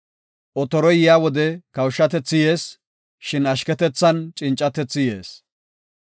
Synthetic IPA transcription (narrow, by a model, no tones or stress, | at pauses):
ʔɔt̪ɔɾɔjɪjaːwɔd̪ɛkɐwʃːɐt̪ɛt͡sːɪje̞ːs | ʃɪnɐʃkɛt̪ɛt͡sːɐnt͡ʃʼɪnt͡ʃʼːɐt̪ɛt͡sːɪjḛːs